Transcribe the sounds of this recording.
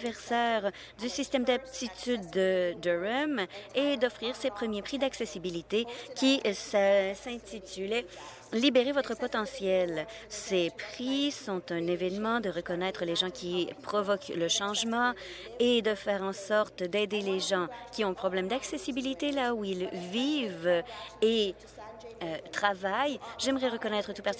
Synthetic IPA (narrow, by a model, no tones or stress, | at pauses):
vɛʁsɛːʁ | d̪ysist̪ɛmd̪ap̚t̪it̪yd̪ːəd̪øʁɛmed̪ɔfʁiːʁsepχəmjepχid̪aksesibilit̪ekʲissɛ̃t̪it̪ylɛ | libeʁevɔt̪χəpɔt̪ɑ̃sjɛl | sepχisɔ̃t̪ɛ̃nevɛnmɑ̃d̪əʁəkɔnɛt̪χəleʒɑ̃kʲipχɔvɔkləʃɑ̃ʒmɑ̃ | ed̪əfɛːʁɑ̃sɔʁt̪d̪ɛd̪eleʒɑ̃kʲiɔ̃pχɔblɛmd̪aksesibilit̪elauilviːve | øt̪χavajʒɛmʁɛʁəkɔnɛːt̪χət̪upat̪i